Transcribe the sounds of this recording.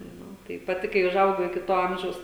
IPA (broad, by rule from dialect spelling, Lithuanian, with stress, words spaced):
ˈnʊ tɐɪ pɐˈtʲɪ kɐɪ ʊʒˈɐʊɡɐʊ ɪkʲɪ ˈtoː ˈɐmʲʒʲɛʊs